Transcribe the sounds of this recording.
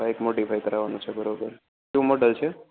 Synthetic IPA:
aekmoʈifʰajkəɾaʋanũt͡ʃʰebəɾobəɾ | ʃũmoɖəlt͡ʃʰe

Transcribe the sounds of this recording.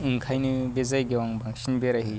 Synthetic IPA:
ɨŋkʰajnibed͡zajɡewaŋbaŋʃinbeɾaɦi

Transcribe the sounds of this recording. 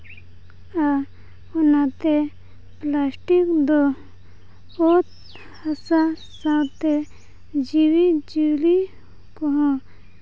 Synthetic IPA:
a | unat̪e | plaːsʈikd̪o | ot̪̚ | hɐsa | sãwt̪e | d͡ʒiwid͡ʒili | koɦõ

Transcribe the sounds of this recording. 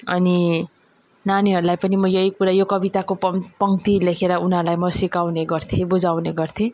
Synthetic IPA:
ʌ̰ni | naniɦʌɾulajpʌnimʌjʌɦikuɾajokʌbit̪akopʌpʌŋt̪ilekʰeɾʌunɦʌɾlajmʌsikawneɡʌrt̪ʰẽbud͡zawneɡʌrt̪ʰẽ

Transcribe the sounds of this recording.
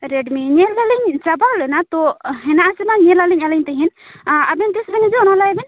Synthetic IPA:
ɾɛɖmiɲɛlːaliɲd͡ʒabalɛnat̪ɔɦɛnaʔasɛnaɲɛlaliɲalɛɲt̪ɛɦin | abɛnd̪ɛsbɛnid͡ʒɔɔnalajɛbɛn

